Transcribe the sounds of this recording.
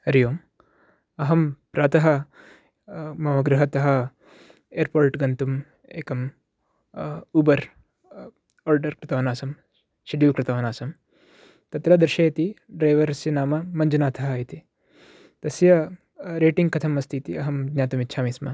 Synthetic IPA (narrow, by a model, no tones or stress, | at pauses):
ɐɾijoːm | ɐɦɐmpɾaːt̪ɐɦɐ | mɐʋɐɡɾuɦɐt̪ɐɦɐ | eːɾpoːɾʈɡɐnt̪um | ḛːkɐm | ubɐɾ | oːɾɖɐɾkɾɪt̪ɐʋɐnaːsɐm | ʃiɖjiːkɾɪt̪ɐʋɐnaːsɐm | t̪ɐt̪ɾɐd̪ɾʃɐːjɐt̪iɖɾɐjʋɐɾɐsjɐnaːmɐmɐɲd͡ʒɐnaːt̪ʰɐɦɐjit̪i | t̪ɐsjɐ | ɾeːʈiŋɡkɐt̪ʰɐmɐst̪ʰiːt̪iɐɦɐmɡɲaːt̪umitːt͡ʃʰaːmiːsmɐ